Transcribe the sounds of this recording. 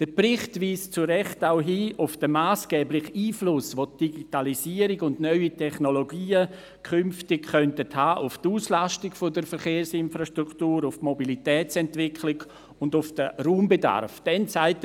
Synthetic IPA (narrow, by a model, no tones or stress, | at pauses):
d̥əpɾɪχtʋiːst͡suɾɛχtaʊɦiːʔʊfd̥əmaːsɡ̥ɛːblɪχiːflʊsʋot̚d̥iɡitalisiːəɾɪɡʊndnœʏitʰɛχnoloɡiːə | kʰʏnftɪkχœntəthaːʔʊftuːslastɪɡfodəɾfəɾχeːɾsɪnfɾaʃtɾuktuːɾʊftmobilitɛːt͡sɛntvɪkʰlɪɡ | ʊndʊfd̥əruːmbeda̰rfd̥ɛnsaɪt